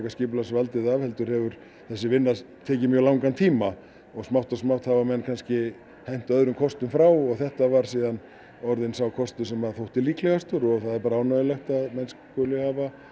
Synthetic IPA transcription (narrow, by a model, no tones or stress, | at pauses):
kascɪːpʏlasvalt̪ɪðavhɛlt̪ʏɾhɛvʏɾ | θɛsːɪvɪnːa | t̪ʰɛːcɪmjœlawŋkant̪ʰiːma | ɔɣsmawht̪asmaw̥t̪havamɛnːkʰanscɪ | hɛjn̥t̪œðɾʏmkʰɔst̪ʏmfɾaːwɔɣθɛht̪avaɾ̥siːðan | ɔɾðɪnsawkʰɔst̪ʏsɛmaθowht̪ɪliːklɛɣast̪ʏɾɔɣθaðɛɾpaːɾaaːwnaɪlɛxt̪aðmɛnskɔlɪhaːva